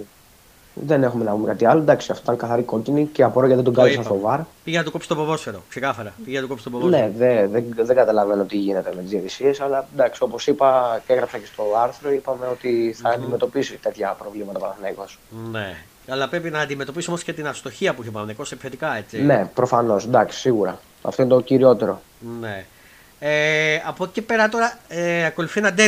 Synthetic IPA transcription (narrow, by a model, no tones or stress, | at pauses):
ðe̞ne̞xume̞nɐpumekɐt̪iɐlod̪ɐksiɐft̪oit̪ɐŋkɐθɐɾiko̞ciniceɐpoɾoʝɐt̪it̪oɡɐlisɐnst̪o̞vɐɾpiʝenɐt̪ukopsi̥st̪opovo̞sfeɾoksekɐθɐɾɐpiʝenɐt̪ukopst̪obone̞ðeðeðeŋɡɐt̪ɐlɐvenoot̪iʝine̞t̪e̞me̞t̪izðiɐðisie̞sɐlɐd̪ɐksio̞po̞sipɐce̞ɣɾɐpsɐce̞st̪o̞ɐɾθɾo̞ipɐme̞o̞t̪iθɐːnd̪ime̞t̪o̞pisit̪e̞t̪çɐpɾo̞vlimɐt̪ɐpɐnnekosne | ɐlɐpɾe̞pinɐːnd̪imet̪o̞piso̞mosce̞t̪inɐst̪o̞çiɐpuiçopɐnnekosepi̥fet̪ikɐe̞t͡sine̞pɾo̞fɐno̞snd̪ɐksi̥siɣuɾɐ̰ | ɐ̰fto̞inet̪o̞ciɾio̞t̪e̞ɾo̞ | ne | eɐpocepe̞ɾɐt̪o̞ɾɐeɐko̞luθienɐd̪e